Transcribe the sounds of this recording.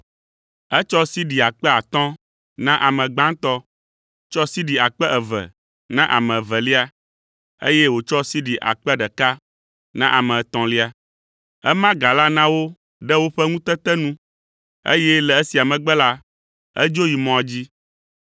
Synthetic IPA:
ɛ˦t͡ʃɔ˦si˦ɖi˨a˨k͡pɛ˦a˨t̪ɔ̃˦ | nã˦ʔa˨mɛ̃˨ɡ͡bã˦t̪ɔ˦ | t͡ʃɔ˦si˦ɖi˨a˨k͡pɛ˦ʔɛ˨vɛ̰˨ | nã˦ʔa̰˨mɛ̃˨vɛ˨li˦a˦ | ḛ˦jɛ˦wo˨t͡ʃɔ˦si˦ɖi˨ʔa̰˨k͡pɛ˦ɖɛ˨ka˦ | nã̰˦ʔa˨mɛ̃˨t̪ɔ̃˨li˦a˨ | ɛ˦mã˦ɡa˨la˦nã˦wo˦ | ɖɛ˦wo˦ɸɛ˦ŋũ˦t̪ɛ˦t̪ɛ˦nũ˦ | ḛ˦jɛ˦lɛ˨e˦si˨a˨mɛ̃˨ɡ͡bɛ˦la˦ | ə̰˦d͡ʒo˦ji˨mɔ̃˨a˨d͡ʑi˦

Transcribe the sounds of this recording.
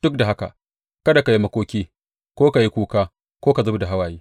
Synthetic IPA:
d̥ʊ˦k̚da˨ɦa˦ka̰˨ | kɐ˦da˨ka˨ji˦mɐ˦kʷoː˦kʲiː˦ | kʷoː˦ka˨ji˦kʷuː˦kaː˦ | kʷoː˦ka˨zʊ˦bda˨ɦa˦waː˨jiː˦

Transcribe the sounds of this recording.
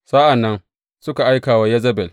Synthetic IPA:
sa˦ʔa˨nːɐ˦n | sʊ˦ka˨ʔa˦jkaː˨waː˦jɐ˦zɐ˦bɛ˨l

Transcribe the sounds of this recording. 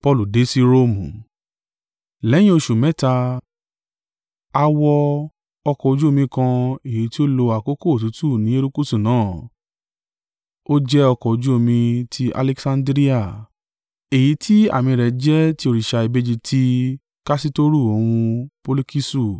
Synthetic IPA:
pɔ˧lu˨de˨˦si˧ɾo˧˦mũ˨ | lɛ˨˦j̃ĩ˦o˧ʃu˨mɛ̃˨˦ta˧ | a˧wɔ˧ | ɔ˧kɔ˨o˨˧d͡ʒu˦o˦˨mĩ˧kã˧e˨ji˨˦ti˦o˦lo˧a˨ko˦ko˦˨o˨tu˨˦tu˦˨nĩ˨˦e˦ɾu˦ku˦su˦˨nãː˨˦˨ | o˦d͡ʒɛ˦ɔ˧kɔ˨o˧d͡ʒu˦o˦˧˨mĩ˧tʰi˧a̰˧lɛ˧ksã˧ndɾi˦a˦˨ | e˨ji˨˦tʰi˦a̰˦˨mĩ˧ɾɛ˨˦d͡ʒɛ˦ti˦o˧ɾi˨ʃa˧i˧be˦d͡ʒi˧tʰi˦ | ka˦si˦to˦ɾu˦˨o˨wũ˧po˧lu˧ki˦su˦˨

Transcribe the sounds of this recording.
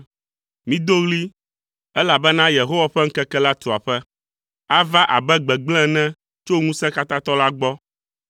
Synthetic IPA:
mĩ˦d̪o˦ɣli˦ | ɛ˦la˨bɛ˦nã˦je˨ɦo˦wa˨ɸɛ˦ŋ̩˦kɛ˦kɛ˦la˦t̪u˨a˨ɸɛ˦ | a˦va˦ʔa̰˨bɛ˦ɡ͡bɛ˨ɡ͡blɛ̃˦nɛ̃˦ | t͡ʃo˦ŋũ˦sɛ̃˦ka˦t̪ã˦t̪ɔ˦la˦ɡ͡bɔ˦

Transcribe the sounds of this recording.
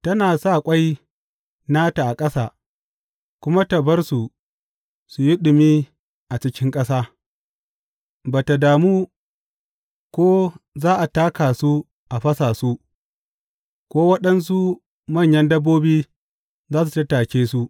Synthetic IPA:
tɐ˦naː˨sa˦˨kʷʼa˦j | naː˦ta˨ʔa˨kʼɐ˦saː˦˨ | kʷʊ˦ma˦ta˨bɐ˦rsu˨ | su˨ji˦ɗʊ˨miː˦ | ʔa˨t͡ʃɪ˦kʲɪ˦ŋkʼɐ˦saː˦ | baː˨ta˨daː˨muː˦ | kʷoː˦zaː˦ʔa˨taː˦kaː˨su˦ | ʔa˨ɸɐ˦saː˨su˦ | kʷoː˦wɐ˦ɗɐ˦ns̬u˦ | mɐ˦˨ɲjɐ˦ndɐ˦bːoː˦biː˦ | zaː˦s̬u˨tɐ˦taː˨kʲeː˦su˦ʔ

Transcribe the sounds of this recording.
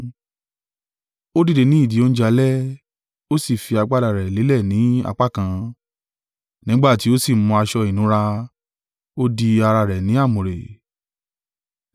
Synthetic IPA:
o˦di˦˨de˨˧˨nĩ˨˦i˦˨di˨˦o˦ñ̩˦d͡ʒa˧lɛ˦ | o˦si˦˨fi˧a˧ɡ͡ba˦da˨ɾɛ˨li˨˦lɛ˦˨nĩ˨˦a̰˧k͡pa˦˨kã˧ | nĩ˨˦ɡ͡ba˦˨ti˨˦o˦si˦˨˦mɔ̃˧a˧ʃɔ˧i˨nũ˨˦ɾa˧ | o˦di˧a˧ɾa˧ɾɛ˨nĩ˨˦a˦˨mũ˨ɾḛ˨

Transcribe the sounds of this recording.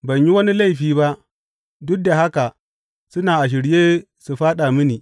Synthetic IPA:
ba˨ɲji˦wɐ˦ni˦la˦˨ɸiː˨ba˦ | du˦da˨ɦa˦ka˨ | su˦na˨a˨ʃ̬i˨ɾje˦ | su˨ɸa˦ɗa˨mi˦ni˨

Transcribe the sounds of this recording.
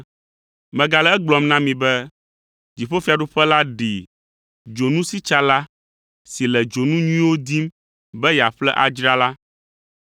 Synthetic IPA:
mɛ̃˨ɡa˨lɛ˨˦ɛ˦ɡ͡blɔ˨mnã˦mĩ˨bɛ˦ | d͡ʒi˨ɸo˦fi˦a˨ɖu˦ɸɛ˦la˦ɖi˨ | d͡ʒo˨nũ˦si˦t͡ʃa˦la˦ | si˨lɛ˨d͡ʒo˨nũ˦ɲũ˦ĩ˦wo˦d̪i˦m | bɛ˦ja˨ɸlɛ˦ʔa˨d͡ʒɾa˦la˦

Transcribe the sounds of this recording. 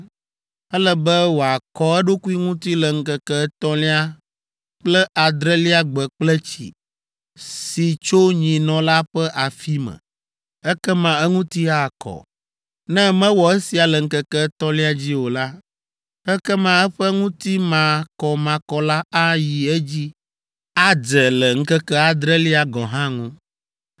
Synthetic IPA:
ɛ˦lɛ˨bɛ˦wo˨a˨kɔ˦ɛ˦ɖo˦ku˦i˦ŋũ˦t̪i˦lɛ˨ŋ̩˦kə˨kɛ˦t̪ɔ̃˦li˦a˦ | k͡plɛ˦ʔa˨d̪ɾɛ˦li˦a˦ɡ͡bɛ˨k͡plɛ˦t͡ɕḭ˨ | si˨t͡ʃo˦ɲĩ˨nɔ̃˨la˦ɸɛ˦ʔa˨fi˦mɛ̰˨ | ɛ˦kɛ˦mã˨ɛ˦ŋũ˦t̪i˦a˨kʰɔ̰˨ | nɛ̃˦mɛ̃˦wɔ˨e˦si˨a˨lɛ˨ŋ̩˦kɛ˦kɛ˦t̪ɔ˦li˦a˨d͡ʑi˦wo˨la˦ | ɛ˦kɛ˦mã˦ɛ˦ɸɛ˦ŋũ˦t̪i˦mã˨kɔ˨mã˨kɔ˨la˦a˦ji˨ɛ˦d͡ʑi˦ | a˦d͡ʒɛ˨lɛ˨ŋ̩˦kɛ˦kɛ˦a˨d̪ɾɛ˦li˦a˨ɡɔ̃˨ɦã˦ŋũ˦

